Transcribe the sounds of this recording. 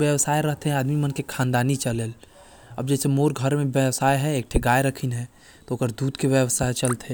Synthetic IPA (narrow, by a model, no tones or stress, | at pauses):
ʋjəwsaːeɾəɦt̪ɦɛ̃aːd̪mimənkekʰãːnd̪aːnit͡ʃəlel | ə̰bd͡ʒɛːsemoːɾɡʱəɾmẽbjəwsaːjɦɛek̚ʈʰeɡaeɾəkʰinɦɛ̃ | t̪ooːkəɾd̪uːd̪keʋjəwsat͡ʃəlt̪ɦɛ̃